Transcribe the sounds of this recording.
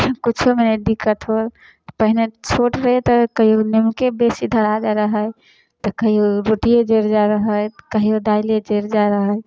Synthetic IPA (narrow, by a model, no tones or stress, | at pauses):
kut͡ʃʰomened̪ikət̪ɦol | pəɦinet͡ʃʰoʈɾəɦet̪ɔkəɦionemkebesid̪ʱəɾad͡ʒaɾəɦəj | t̪ɔkəɦioɾoʈijed͡ʒeɾd͡ʒaɾəɦəjkəɦiod̪ailed͡ʒeɾd͡ʒaɾəɦəj